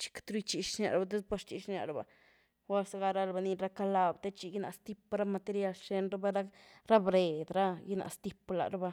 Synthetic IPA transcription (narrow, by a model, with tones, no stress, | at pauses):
t͡ʃi̥˦kt̪ɾu˦t͡ʃi˧ʃʃna̰˨ɾa˨ba˨d̪e˦spo˦ɾt͡ʃi˨ʃnja̰˨ɾa˨ba̰˨ | wa˦lsa˧ɡa˦ɾa˦ɾba˧ni˧ɾa˦ka˦la˧bt̪e˦t͡ʃi˧ɡi˦na̰˨st̪i˦pɾa˦ma˧t̪e˧ɾja˧lʃe˧nɾa˦ba˦ɾa˦ɾa˦bɾe˨d̪ɾa˦ji˦na̰˨ʔst̪i˦pla̰˨ɾa˦ba˧